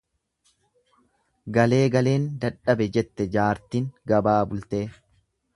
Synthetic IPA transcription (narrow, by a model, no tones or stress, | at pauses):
ɡɐle̞ːɡɐle̞ːnd̪ɐᶑɐbɛd͡ʒɛt̪ːɛd͡ʒaːɾt̪iːŋɡɐbaːbʊlt̪eː